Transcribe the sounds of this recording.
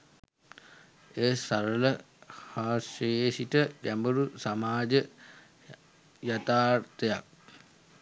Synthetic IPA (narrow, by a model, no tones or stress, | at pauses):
eːsaɾələ | haːsejesitəkæmbəɾusamaːd͡ʒə | jat̪aːrt̪əjak̚